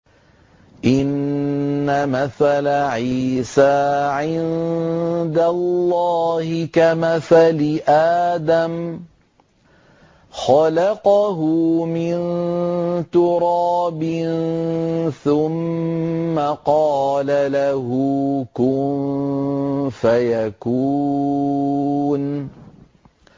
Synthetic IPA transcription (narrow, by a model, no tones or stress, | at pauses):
ʔɪnː | amaθalaʕiːsaːʕɪn | d̪alːɑːhɪkamaθalɪʔaːd̪am | xɑlɑqɑɦʊmɪn | t̪ʊɾɑːbɪn | θʊmː | aqɑːlalaɦukʊn | fajakuː | n